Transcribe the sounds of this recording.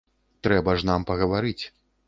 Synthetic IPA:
t̪ɾɛbɐʐnampɐɣɐvaɾɨt͡sʲ

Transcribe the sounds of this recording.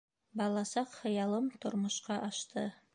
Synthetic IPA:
bɑlˠɑsɑqχɤ̆jɑlˠɤmt̪ŏɾmŏʃqɑʔɑʃt̪ɤ

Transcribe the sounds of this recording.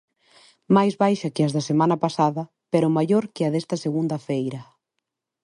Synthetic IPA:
majzβajʃɐkɪɐzðɐsemãnɐpasaðɐ | peɾʊmaʎoɾkɪɐðɛst̪ɐseɣund̪ɐfejɾɐ

